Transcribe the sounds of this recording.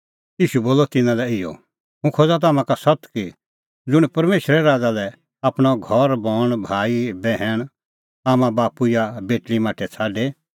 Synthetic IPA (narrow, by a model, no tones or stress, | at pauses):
iːʃuboːlɔt̪ɪnãlɛɪjɔ̰ | ɦũkʰoːd͡zat̪aːmãkasɐt̪ki | d͡zʊɽ̃pɐɾmeːʃɾɛɾaːd͡zalɛ | aːpɽ̃ɔɡʱɔɾbɔːɽ̃bʱaːibɛɦɛɽ̃ | aːmãbaːpuɪjabeːʈlimaːʈʰɛt͡sʰaːɖe